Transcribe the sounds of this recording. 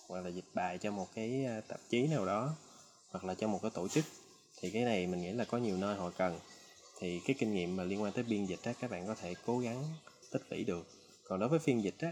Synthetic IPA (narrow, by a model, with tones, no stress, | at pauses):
hwa˨˩k̚laː˨˩zï˨˩t̚ɓaː˧˨jt͡ɕɔ˧mo˨˩t̚kaː˨˦jt̪ə˨˩p̚t͡ɕi˨˦naː˨˩wɗɔ˨˦ | hwa˨˩k̚laː˨˩t͡ɕɔ˧mo˨˩t̚kaː˨˦jt̪o˧˩t͡ɕɨ˦˥k̚ | t̪ʰi˨˩kaː˨˦jna˨˩jmï˨˩ŋḭ˧˥laː˨˩kɔ˨˦ɲi˨˩wnə˧jɦɔ̰˧˨kə˨˩n | t̪ʰi˨˩kaː˨˦jkï˧ŋŋḭ˧˨əmːaː˨˩li˧ənkwaː˧t̪əː˨˦jɓi˧ənzï˨˩t̟̚ʔaː˨˦kaː˦˥k̚ɓa̰ː˧˨nkɔ˨˦t̪ʰe˧˩ko˨˦ɣa˨˦ŋ | t̪ʰï˦˥k̚lḭ˧˩ɗɨ˨˩ək̚ː | ɔ˨˩nɗo˨˦jvəː˨˦jfi˧ənzi˨˩t̟̚ʔaː˨˦